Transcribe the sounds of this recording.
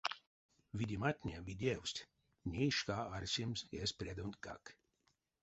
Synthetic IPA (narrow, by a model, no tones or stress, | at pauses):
vʲid̪ʲimat̪ʲnʲevʲid̪ʲewsʲt̪ʲ | nʲeʃkaːaɾsʲimsespɾʲed̪unt̪ka̰k